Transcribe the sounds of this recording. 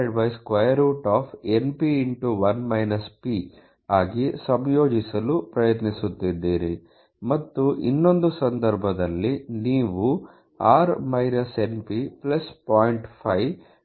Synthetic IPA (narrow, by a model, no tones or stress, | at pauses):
ɖʋɐjskʋɐjɐɾuːʈaːpʰenpiːɳʈuʋɐnmɐjnɐspi | aːɡisɐmjo̞ːd͡ʒisɐlupɾɐjɐt̪nisut̪ːid̪ːiːɾi | mɐt̪ːuʔḭnːo̞nd̪usɐnd̪ɐɾbʱɐd̪ɐlːiniːʋu | aːɾmɐjɾɐse̞npiplɐspaːjiɳʈpʰɐj